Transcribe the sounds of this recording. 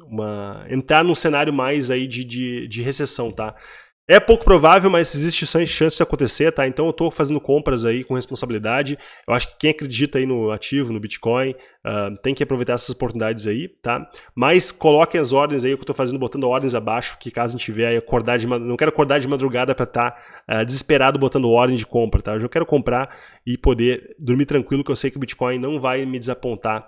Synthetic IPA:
ũmɐḛ̃nt̪ɾaɾnũsenaɾjʊmajzaid͡ʒɪd͡ʒɪd͡ʒɪɦesesɐ̃w̃t̪a | ɛpowkʊ̥pɾovavewmɐzezist͡ʃɪʃɐ̃ʃɐ̃sɪz̥d͡ʒɪakõnt̪eseɾt̪aẽnt̪ɐ̃w̃ewt̪ofazẽnd̪ʊkõmpɾɐzaikõhespõsabilid̪ad͡ʒɪewaʃʊ̥kɪ̥kẽj̃akɾed͡ʒit̪ɐainʊat͡ʃivʊnʊbit͡ʃi̥kõj̃ | a̰t̪ẽj̃kɪapɾovejt̪aɛsɐzopoɾt̪unid̪ad͡ʒɪzait̪a̰maskolɔkẽj̃ɐzɔɾd̪ẽj̃zaiekewt̪ofazẽnd̪ʊbot̪ɐ̃nd̪ʊɔɾd̪ẽj̃zabaʃʊ̥kɪkazʊẽt͡ʃɪt͡ʃivɛaiakoɾd̪aɾd͡ʒɪmanɐ̃w̃kɛɾʊakoɾd̪aɾd͡ʒɪmad̪ɾuɡad̪ɐpɾɐt̪aɛd͡ʒɪzɪspeɾad̪ʊbot̪ɐ̃nd̪ʊɔɾd̪ẽj̃d͡ʒɪkõmpɾɐt̪aeowʒakɛɾʊkõmpɾa | ɪpod̪ed̪ʊɾmit̪ɾɐ̃kwilʊkewsejkɪʊbit͡ʃi̥kɔ̃j̃nɐ̃w̃vajmɪd͡ʒɪzapõnt̪a

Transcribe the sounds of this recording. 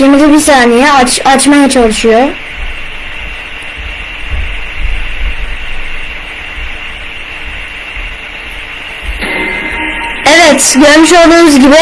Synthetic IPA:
emid̪ɛbisaːnejɛat͡ʃat͡ʃmajat͡ʃʰalˠuʃujo | ɛvɛt̪ɟø̞ɾmyʃo̞lˠd̪uːnuzɟibi

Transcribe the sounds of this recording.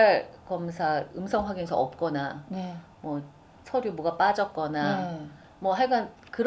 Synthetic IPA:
ɭkʌmsʰaɯmsʰʌŋwaɡinsʰʌʌp̚k͈ʌnan | mwʌ | sʰʌɾjubuɡap͈ad͡ʑʌk͈ʌna | mwʌɦaɭɡan | kɯɾ

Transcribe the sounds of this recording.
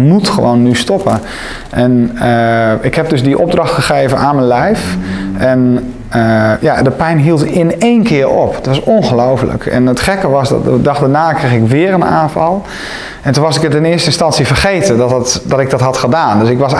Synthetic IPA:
mutxəʋownːystɔpə | ʔɛnəɪkhɛp̚døsdiʔɔ̰b̚drɑxtχəχeːvənʔaːnmənlɛjfʔɛn | əjadəpɛjnɦiəlˠtɪneːnkʰɪəɾɔ̰ptʋɑsonxəlowfələ̰kɛ̰nətχɛkəʋɑsddɑxdanaːkrexɪkʋɪəɾəna̰ːnfɑ̰lˠ | ɛntunʋɑsɪkətɪnɪəstəɪnstɑnsifərχeːtədɔtdɔtɪk̚dɔtɦɑtxədaːndøsɪkʋɑs

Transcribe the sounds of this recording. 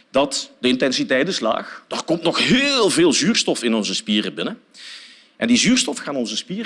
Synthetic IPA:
d̥ɑtdəɪntɛnsitɛjtɪsla̰ːxd̥aːrkɔmtnɔxɦɪːlˠvɪːlˠzyːrstɔfɪnɔnzəspiːrəbɪnə | ʔɛndizyːrstɔfxaːnɔnzəspiːr

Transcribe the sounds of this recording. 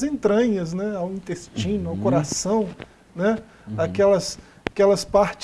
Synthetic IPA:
zẽnt̪ɾɐ̃ɲɐznɛawĩnt̪est͡ʃĩnʊawkoɾasɐ̃w̃ | nɛ | akɛlɐs | kɛlɐspaɾt͡ʃ

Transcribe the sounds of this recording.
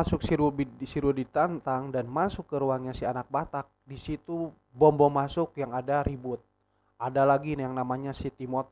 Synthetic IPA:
asʊksiɾubisiɾudit̪ant̪aŋdanmasʊkːəɾuaŋɲasianak̚bat̪ak̚disit̪u | bɔmbɔmasʊkjaŋadaɾibʊt̪̚ | ʔadalaɡinjaŋnamaɲasit̪imɔt̪̚

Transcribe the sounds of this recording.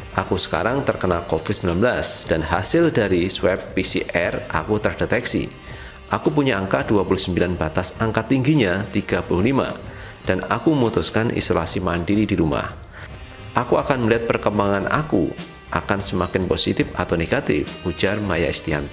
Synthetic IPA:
ʔakusə̥ka̰ɾaŋt̪ərkənalkofɪd̪̥̚səmilanbəlasd̥anɦasɪldaɾiswɛpːisḭʔɛrʔa̰kut̪ərdet̪ɛksḭ | ʔakup̬uɲaʔaŋkaduapulʊhsəmbilanbat̪asaŋkat̪iŋɡiɲat̪iɡapulʊhlima̰ | d̥ana̰kuməŋut̪ʊskanʔḭsola̰simaːndiɾidiɾuma̰h | ʔakuakanməliɦat̪̚pərkəmbaŋana̰kṵ | ʔa̰kansəmakɪnposit̪ɪfa̰t̪awneɡ̥at̪ɪ̰fud͡ʒarmaja̰ist̪ia̰n

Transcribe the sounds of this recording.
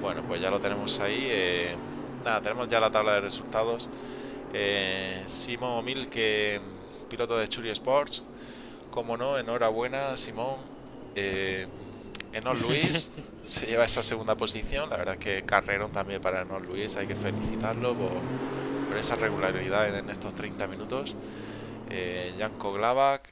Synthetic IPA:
bwe̞nopwe̞zʝalo̞t̪e̞ne̞mo̞saie | naðat̪ene̞mo̞zʝalat̪aβlaðe̞re̞sult̪aðo̞s | esimõ̞ŋomilke | pilo̞t̪oðet͡ʃuɾje̞spo̞ɾs | ko̞mo̞no̞e̞no̞ɾaβ̞we̞nasimõ̞ŋ | e | enolluis | se̞ʝe̞β̞ae̞sase̞ɣund̪apo̞siθjõ̞nlaβe̞ɾðaeske̞kare̞ɾo̞nt̪ambje̞mpaɾaenollːuisajke̞fe̞liθit̪aɾlo̞poɾpo̞ɾe̞sare̞ɣulaɾiðaene̞st̪o̞st̪ɾejnt̪amĩnut̪o̞s | eʎaŋko̞ɣlaβ̞ak

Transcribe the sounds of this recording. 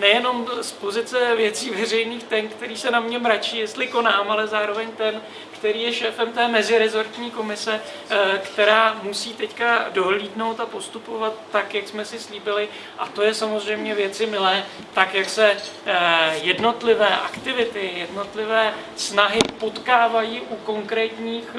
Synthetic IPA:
nɛjɛno̞mspo̞zɪt͡sɛvjɛt͡siːvɛr̝ɛjniːxt̪ɛnkt̪ɛɾiːsɛnamɲɛmɾat͡ʃiːjɛst̪lɪko̞naːmalɛzaːɾo̞vɛɲt̪ɛn | kt̪ɛɾiːjɛʃɛːfɛmt̪ɛːmɛzɪɾɛzo̞ɾt̪ɲiːko̞mɪsɛ | kt̪ɛɾaːmusiːt̪ɛckado̞ɦliːdno̞wt̪apo̞st̪upo̞vat̪ːakjaksmɛsɪsliːbɪlɪ | ʔa̰t̪o̞jɛsamozr̝ɛjmɲɛvjɛt̪t͡sɪmɪlɛː | t̪akjaksɛ | jɛdno̞t̪lɪvɛːʔa̰kt̪ɪvɪt̪ɪjɛdno̞t̪lɪvɛː | snaɦɪpo̞t̪kaːvajiːʔuko̞ŋkɾɛːt̪ɲiːx

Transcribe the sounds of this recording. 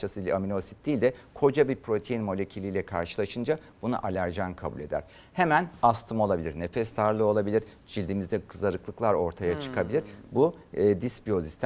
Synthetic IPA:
asɯlʲɛamino̞si̥t̪̚d̪iːlʲd̪ɛkʰo̞d͡ʒabiɾpɾo̞t̪ʰejinmo̞lʲe̞cʰilʲiːlʲɛkʰa̰ɾʃɯlˠaʃɯnd͡ʒa | b̥una̰ʔalʲæɾd͡ʒankʰabṵlʲe̞d̪æ̰ɾ̥ | hemænast̪ʰɯmo̞lˠabilʲiɾne̞fɛst̪aɾlˠɯo̞lˠabilʲiɾd͡ʒilʲd̪imizd̪ɛkʰɯzaɾɯklˠɯklˠaɾo̞ɾt̪ʰajat͡ʃʰɯ̥kʰabilʲiɾ̥bu | d̪ispio̞zist̪

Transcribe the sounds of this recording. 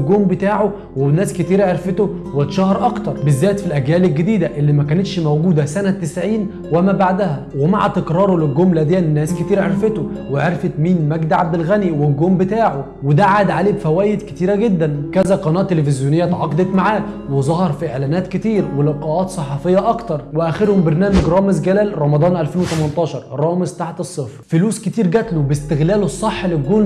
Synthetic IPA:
lɡoːmbet̪aːʕo | wenːæːsket̪iːɾʕeɾfet̪o | wet̪ʃæhɑɾˤʔɑkt̪ɑɾˤbezːæːt̪filʔæɡjæːlelɡed̪iːd̪æʔelːimækæːnet̪ʃmowɡuːd̪æsænæt̪ːesʕiːn | wemæːbaʕd̪æhæ | wema̰ʕa̰t̪ekɾˤɑːɾˤolelɡomlæd̪eænnːæːsket̪iːɾʕeɾfet̪oweʕeɾfet̪miːnmæɡd̪ʕa̰b̚d̪elɣæniwelɡoːmbet̪aːʕo | wed̪aʕad̪ʕaleːbfæwæːjed̪ket̪iːɾæɡed̪ːænkæzæqɑnɑːt̪ːelefɪzjonejːæt̪ʕɑqd̪ˤet̪maʕaːwezˤɑhɑɾˤfiʔeʕlæːnæːt̪ket̪iːɾwelebqɑʔɑːt̪sˤɑħɑfejːæʔɑkt̪ɑɾˤweʔæxeɾhombeɾnæːmeɡɾˤɑːmezɡælæːlɾˤɑmɑd̪ˤɑːnʔælfeːnwet̪æmænt̪ˤɑːʃɑɾˤɾˤɑːmezt̪aħt̪esˤːefɾfʊluːsket̪iːɾɡæt̪lobest̪eɣlæːlesˤːɑħːlelɡoːl

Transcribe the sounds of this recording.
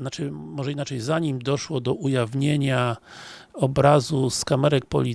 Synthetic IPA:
nat͡ʂɘmɔʐɛinat͡ʂɛjzaɲimd̪ɔʂwɔd̪ɔʔujavɲeɲa | ɔbɾazuskamɛɾɛk̚pɔ̰lʲi

